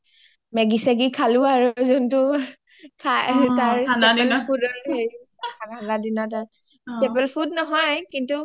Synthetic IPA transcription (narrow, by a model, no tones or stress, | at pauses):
mɛɡisaɡikʰalʊaɹuzɔntʊ | kʰataɹsadɛlpʰudɔɹheɹ | kʰakʰaladinɔtaɹ | stebɛlpʰudnɔɦɔjkintu